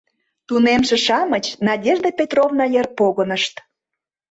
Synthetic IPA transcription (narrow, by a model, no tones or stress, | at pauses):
t̪unemʃĕʃɑmət͡ɕnɑdʲeʒd̪epʲet̪rovnɑjer̚poɣənəʃt̪